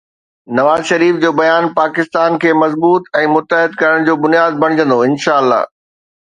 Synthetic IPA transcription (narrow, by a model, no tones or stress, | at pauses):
nɐʋaːzʃɐɾiːfd͡ʑoːbɐjaːnpaːkɪst̪aːnkʰeːmɐzbuːt̪ɛ̃ːmʊt̪ːəɦɪd̪̚kɐɾəɽ̃d͡ʑoːbʊnjaːd̪̚bɐɽ̃ɪd͡ʑə̃nd̪oɪnʃaːəlːa̰ːɦ